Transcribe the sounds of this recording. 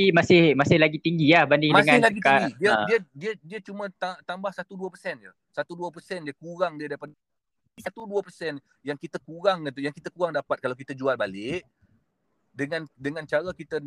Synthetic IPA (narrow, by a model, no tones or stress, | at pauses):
imasɪhmasɪhlaɡit̪iŋɡilahbandɪŋdməŋalaɡikaɡidiəiədiədiət͡ʃumə̃t̪at̪ambahsat̪uduəpərsɛnd͡ʒṵ | sat̪uduəpəsɛndiəkuɾaŋdiədapat̪̚ | sat̪uduəpərsɛn | jaŋkit̪əkuɾaŋkənt̪ujaŋkit̪əkuɾaŋdapat̪̚kalawkit̪əd͡ʒualbalɪʔ | dəŋandəŋãnt͡ʃaɾakit̪ə